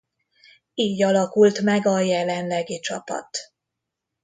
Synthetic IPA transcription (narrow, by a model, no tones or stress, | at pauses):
iːɟɒlɒkult̪mɛɡɒjɛlɛnlɛɡit͡ʃɒpɒ̰t̪